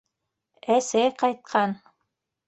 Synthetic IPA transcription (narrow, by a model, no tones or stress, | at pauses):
æsæjqɑjt̪̚qʰɑn